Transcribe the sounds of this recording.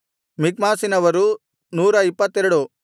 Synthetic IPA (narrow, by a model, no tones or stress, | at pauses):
mik̚maːsinɐʋɐɾu | nuːɾɐipːɐt̪ːeɾuɽu